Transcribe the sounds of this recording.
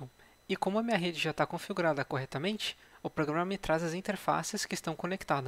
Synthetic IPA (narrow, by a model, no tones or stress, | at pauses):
ɪkõmʊɐmĩɲɐɦed͡ʒɪʒat̪akõfiɡuɾad̪ɐkoɦɛt̪ɐmẽnt͡ʃɪ̥ʊpɾoɡɾɐ̃mɐmɪt̪ɾazɐzĩnt̪eɾfa̰sɪskɪst̪ɐ̃w̃kõnekt̪ad̪ʊ